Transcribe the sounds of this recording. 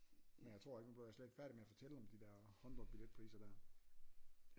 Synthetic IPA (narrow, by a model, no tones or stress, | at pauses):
menjat͡sʰʁo̝ɐ̰e̝ɡ̥mæn̥b̥løæɐsled̥fæɐɾ̥imeæfɒ̽t͡sʰeləɒ̽md̥id̥ɛɐ̰hɒ̽nd̥ʁɒb̥iled̥̚pʰʁḭːsɐd̥æɐ